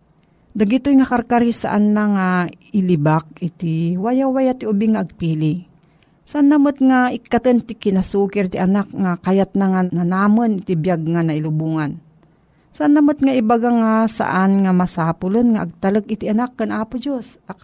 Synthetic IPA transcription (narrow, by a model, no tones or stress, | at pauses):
d̪aɡɪt̪ojŋakaɾkaɾisa̰ʔa̰nːaŋa | ɪlɪbak̚ɪt̪iwajawajat̪ɪʊbɪŋaʔːɡ̚piːlɪ | saʔanːamot̪̚ŋaɪkːat̪ənt̪ɪkɪnasuːkɪɾt̪iʔanak̚ŋakajat̪̚naŋananaːmonɪt̪ibjaɡ̚ŋanaɪlʊbuŋan | saʔanːamʊt̪̚ŋaʔɪbaɡaŋasa̰ʔanŋamasaːpʊlonŋaʔaɡ̚t̪alɨk̚ɪt̪iʔanakːanʔaːpʊd͡ʒosa